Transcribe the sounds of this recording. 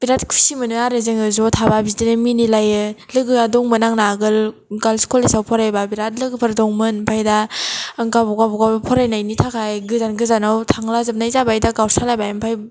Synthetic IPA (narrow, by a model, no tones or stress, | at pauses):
b̥iɾatkʰu̥simɯnɯaɾezeŋɯzɔtʰababizdinɯminilajɯlɯɡɯadɔŋmɯnaŋnaɡɯlɡalskɔlesawpʰɔɾajbabiɾat̚lɯɡɯpʰɯɾdɔŋmɯnmpʰajdaŋɡabɔɡabɔɡapʰɔɾajnajnitʰakʰajɡɯzanɡɯzanawtʰaŋlazɯp̚najzabajdaɡawsʰalajbajampʰaj